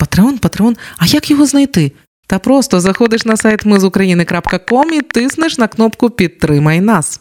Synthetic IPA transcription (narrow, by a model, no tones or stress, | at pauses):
pɐt̪ɾeɔnpɐt̪ɾeɔnɐjakjɔɦɔznɐjt̪ɪ | t̪apɾɔst̪ɔzɐxɔd̪ɪʂnɐsajt̪mɨzʊkɾɐjinɪkɾapkɐkɔmit̪ɪsnɪʂnɐknɔpkʊpʲit̪ːɾɪmɐjnas